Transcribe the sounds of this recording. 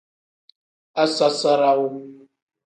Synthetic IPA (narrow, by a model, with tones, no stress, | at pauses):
a˦sa˦sa˦ɾa˦wo˦